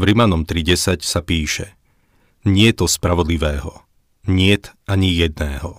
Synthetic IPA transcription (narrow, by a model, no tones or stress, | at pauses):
vɾimanɔmt̪ɾiɟɛsacsapiːʃɛ | ɲɪɛt̪ɔspɾaʋɔd̪liʋɛːɦɔ | ɲɪɛt̪ʔaɲijɛd̪̚nɛːɦɔ